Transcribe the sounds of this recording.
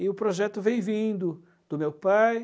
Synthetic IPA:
ɪʊpɾoʒɛt̪ʊvẽj̃vĩnd̪ʊ | d̪̥ʊmewpaj

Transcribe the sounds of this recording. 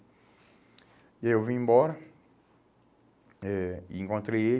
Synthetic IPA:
iaewvĩẽmbɔɾɐ | ɛiẽŋkõnt̪ɾeje

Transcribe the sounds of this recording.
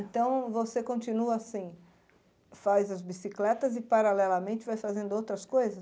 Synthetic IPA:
ẽnt̪ɐ̃w̃vosekõnt͡ʃinuɐasĩ | fajzɐzbisiklɛt̪ɐzɪpaɾalɛlɐmẽnt͡ʃɪvajfazẽnd̪ʊowt̪ɾɐskojzɐs

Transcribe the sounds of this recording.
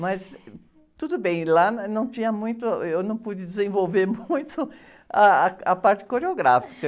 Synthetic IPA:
mɐs | t̪ud̪ʊbẽj̃lanɐ̃w̃t͡ʃĩɲɐmũj̃t̪ʊewnɐ̃w̃pud͡ʒɪd͡ʒɪzẽvowveɾmũj̃t̪ʊ | ɐɐpaɾt͡ʃɪ̥koɾeoɡɾa̰fi̥kɐ

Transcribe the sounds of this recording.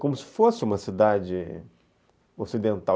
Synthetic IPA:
kõmʊsɪ̥fosɪũmɐsid̪ad͡ʒɪ | osid̪ẽnt̪aw

